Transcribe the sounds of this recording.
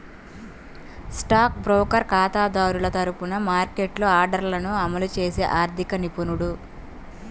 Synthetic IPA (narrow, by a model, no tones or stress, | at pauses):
sʈaːk̚bɾoːkɐɾkaːt̪aːd̪aːɾulɐt̪ɐɾupunɐmaːɾkeʈloːaːɾɖɐɾlɐnuɐmɐlut͡ʃe̞ːsḛːʔaːɾd̪ʱikɐnipunuɽu